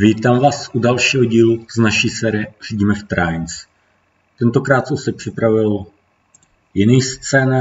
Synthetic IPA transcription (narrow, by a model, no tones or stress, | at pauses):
viːt̪aːmvaːsʔudalʃiːɦoɟiːluznaʃiːsɛːɾɪɛr̥iɟiːmɛft̪ɾajns | t̪ɛnt̪o̞kɾaːt̪sosɛpr̥ɪpɾavɪl | jɪniːst͡sɛːna